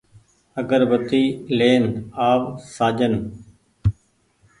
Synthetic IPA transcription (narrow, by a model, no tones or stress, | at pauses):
əɡəɾbət̪iːleːnaːʋsaːd͡ʒən